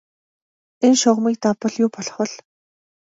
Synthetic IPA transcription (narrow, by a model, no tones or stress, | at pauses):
enʃʊʁmiːk̚t̪apə̆ɮjʊːpɔɮχɞ̆ɮ